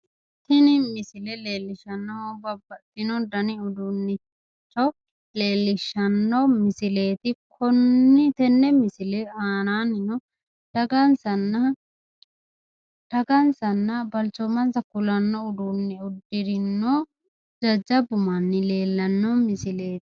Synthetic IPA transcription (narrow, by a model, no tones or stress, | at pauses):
t̪ɪnɪmɪsɪlɛle̞ːlːɪʃɐnːɔbɐbːɐt̪ːɪnɔd̪ɐnɪʊd̪unːɪ | t͡ʃːɔ | le̞ːlːɪʃːɐnːɔmɪsɪle̞ːt̪ɪkʰɔnːɪt̪ɛnːɛmɪsɪleaːnaːnɪnɔ | d̪̥ɐɡɐnsɐnːɐ | d̪̥ɐɡɐnsɐnːɐbɐlt͡ʃɔmɐnsɐkʊlɐnːɔʊd̪unːɪʊd̪ːɪɾɪnːo | d͡ʒɐd͡ʒɐbʊmɐnːɪle̞ːlːɐnːɔmɪsɪle̞ːt̪ɪ̥